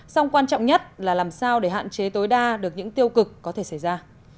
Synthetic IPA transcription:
sa˧wŋ͡mkwaː˧nt͡ɕɔ̰˧˨wŋ͡mɲə˦˥t̚laː˨˩laː˨˩msaː˧wɗe˧˩ɦa̰ː˧˨nt͡ɕe˨˦t̪o˨˦jɗaː˧ɗɨ˨˩ək̚ɲɨ̰˧˥ŋt̪i˧əwkɨ˨˩kːɔ˨˦t̪ʰe˧˩sa˧˩jzaː˧

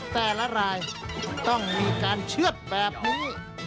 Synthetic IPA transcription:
t̪ɛː˨˩la˦˥ɾaː˧jt̪ɔ˥˩ŋmiː˧kaː˧nt͡ɕʰɯ˥˩ət̪̚bɛː˨˩p̚niː˦˥

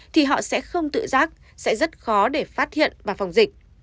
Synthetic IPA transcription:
t̪ʰi˨˩ɦɔ̰˧˨sɛ̰˧˥xə˧wŋ͡mt̪ɨ̰˧˨zaː˦˥k̚ | sɛ̰˧˥zə˦˥t̚xɔ˨˦ɗe˧˩faː˦˥t̚hḭ˧˨ənvaː˨˩fa˨˩wŋ͡mzi˨˩k̚

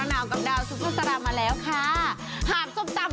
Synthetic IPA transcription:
a˨˧˦naː˨˩wkə˧˩mɗaː˨˩wsu˨˦˥t̪ʰaː˦˥saː˧ɗaː˧˩maː˨˩lɛː˨˦wxʰaː˧˥˩ | haː˨˩so˨˧˥p̚t͡ɕa˧˩m

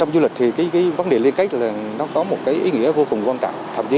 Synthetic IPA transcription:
t͡ɕɔ˧wŋ͡mzu˧li˨˩k̚t̪ʰi˨˩kaː˨˦jkaː˨˦jvə˨˦nɗe˨˩li˧ənka˦˥jk̟̚laː˨˩nɔ˨˦kɔ˨˦mo˨˩t̚kaː˨˦jʔi˨˦ŋḭ˧˥əvo˧kʊ˨˩ŋ͡mkwaː˧nt͡ɕa̰˧˨ŋ͡mt̪ʰa̰ː˧˩mzi˨˦

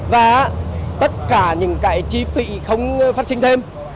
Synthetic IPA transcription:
vaː˨˩t̪ə˦˥t̚kaː˧˩ɲɨ̰˧˥ŋka̰ː˧˩jt͡ɕi˧fḭ˧˨xə˧wŋ͡mfa˦˥t̚si˧ŋ̟t̪ʰe˧m

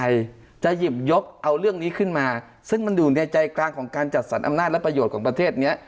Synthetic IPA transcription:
j | t͡ɕa˨˩ji˨˩p̚jo˦˥p̚ʔa˧wlɯ˥˩əŋniː˦˥kʰɯ˥˩nmaː˧ | sɯ˥˩ŋma˧nduː˨˩nɛː˧wt͡ɕa˧jklaː˧ŋkʰɔː˩˦ŋkaː˧nt͡ɕa˨˩t̪̚sa˩˦nʔa̰˧mnaː˥˩t̚lɛ˦˥pɾa˧joː˨˩t̪̚kʰɔː˩˦ŋpɾa˧t̪ʰeː˥˩t̪̚ni˦˥ɐ

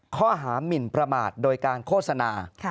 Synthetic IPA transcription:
kʰɔː˥˩ɦaː˩˦mi˨˩npɾa˧ma̰ː˨˩t̪̚doː˧jkaː˧nkʰoː˥˩t̪̚sa˧naː˧

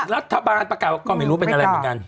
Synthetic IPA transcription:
ɾa˦˥t̪ʰːa˧baː˧npɾa˧kaː˨˩wa˥˩kɔː˥˩ma˥˩jɾuː˦˥p̬e˧nʔa˧ɾa˧jmː˧˨˩nka˧n

